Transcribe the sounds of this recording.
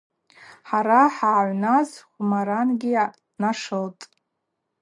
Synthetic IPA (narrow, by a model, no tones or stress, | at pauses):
ħaɾaħaːʕʷnazχʷumaɾanɡʲi | naʂɨltʼ